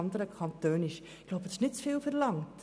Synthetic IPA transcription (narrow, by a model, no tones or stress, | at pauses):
ɑndəɾəkʰɑntøːnɪʃ | ɪkɡ̥lowpətɪ̥snɪtsfɪːlˠfərlɑŋt